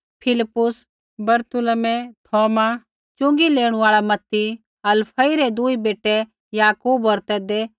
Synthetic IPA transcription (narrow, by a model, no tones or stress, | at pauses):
pʰɪlɪpːʊs | bɐɾt̪ʊlmɛt̪ʰɔːma | t͡ʃʊ̃ŋɡileːɽ̃ũaːɭamɐt̪ːi | ɐlpʰɐiɾɛd̪uibeːʈːɛ | jaːkuːbɔɾt̪ɛːd̪e